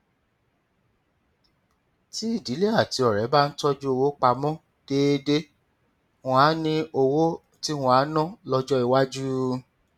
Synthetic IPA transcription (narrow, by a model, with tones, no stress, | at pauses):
ti˦i˦˨di˨˦le˦a˦˨ti˨˧ɔ˨ɾɛ˨˦ba˦n̩˦tɔ˦d͡ʒu˦o˧wo˦k͡pa˧mɔ̃˦ | d̥eː˦de˦ | wɔ̃˧a˨˦nĩ˧o˧wo˦ | ti˦w̃ɔ̃˧a˨˦nɔ̃˦˨lɔ˧d͡ʒɔ˦i˨wa˦d͡ʒu˦